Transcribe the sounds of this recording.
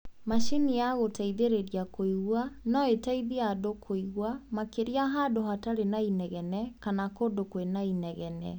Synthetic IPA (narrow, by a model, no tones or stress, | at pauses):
maʃinijaɣotaiðeɾeɾiakoiɣwanɔetaiðeadokʰoiɣwamakeɾiaɦadoɦataɾenainɛɣɛnɛkanakodokwenainɛɣɛnɛ̰